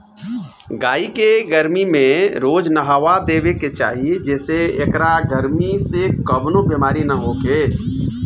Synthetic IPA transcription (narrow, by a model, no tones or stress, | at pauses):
ɡaːikeɡəɾmimẽɾoːd͡ʒnəɦaʋad̪eːbeket͡ʃa̰ːɦied͡ʒɛːseekɾaɡəɾmisekəbnobemaːɾinəɦoɡeː